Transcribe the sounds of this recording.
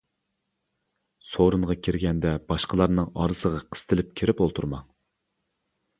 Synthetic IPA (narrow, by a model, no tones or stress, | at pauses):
soɾuɴʁɑkʲʰiɾɡʲɛnd̪ɛb̥ɑʃqəlˠɑɾnɨŋɑ̰ːɾɨsəʁɑqʰə̥st̪ʰɨlɪp̚kʲʰeɾɪpolˠt̪ʰuɾmɑŋ